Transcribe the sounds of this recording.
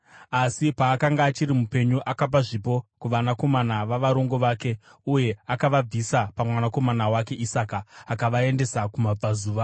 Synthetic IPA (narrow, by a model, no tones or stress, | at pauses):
asipaːkaŋɡaːt͡ʃirimupe̞ɲuʔakap̬aʐip̬o̞kuʋanako̞manaʋaʋaɾo̞ŋɡo̞ʋaːke̞uje̞akaʋab͡visapamwanako̞manawake̞ʔisaːkaːkaʋae̞nde̞sakumab͡vazuːʋa